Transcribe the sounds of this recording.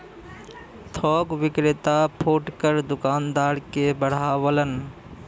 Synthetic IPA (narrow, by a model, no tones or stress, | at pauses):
t̪ʰɔːkʋɪkɾɪt̪apʰoːʈkəɾd̪ʊkaːnd̪aːɽkebəɽ̤aːʋələn